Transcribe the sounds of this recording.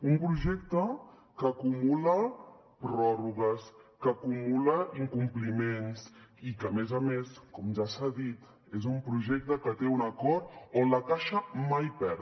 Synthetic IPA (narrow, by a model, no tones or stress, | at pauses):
umpɾuʒɛk̚t̪ə | kəːkumulə | pɾɔruɣəskəːkumuləiŋkumplimensikəːmezəmeskɔmʒasaðit̪ | ezumpɾuʒɛk̚t̪əkət̪eunəkɔɾonləkaʃəmajpɛɾ